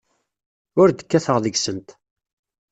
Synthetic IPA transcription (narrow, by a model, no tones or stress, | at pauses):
ʊɾd̪ə̥kːæθəʁðəɡsənt̪